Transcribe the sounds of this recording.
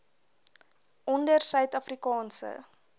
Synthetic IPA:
ʔɔndərsœɥtɐfrikɑːnsə̰

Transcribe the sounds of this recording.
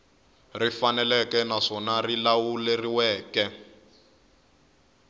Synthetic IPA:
rifanɛlɛkɛnaʂɔnarilawuleriwɛːkɛ

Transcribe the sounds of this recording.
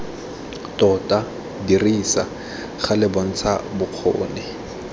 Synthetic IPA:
tɔtʼa | diriːsa̰ | χalɪbɔn̩t͡sʰabʊq͡χʰo̰ːnɪ

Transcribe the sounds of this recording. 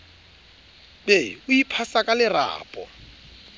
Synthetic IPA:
beʊipʰasakʼalɪra̰ːpʼɔ̰

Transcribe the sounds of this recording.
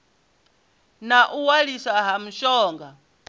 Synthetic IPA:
naʔuwaɺisaɦam̩ʃɔːŋɡa

